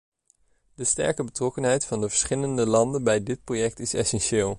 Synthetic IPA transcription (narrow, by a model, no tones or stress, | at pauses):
dəstɛ̰ɹkəbətrɔkənɦɛjtfɑndəvəɹsχɪləndəlɑndənbɛjdɪt̚projɛk̚tɪsɛ̰sɛnʃɪːlˠ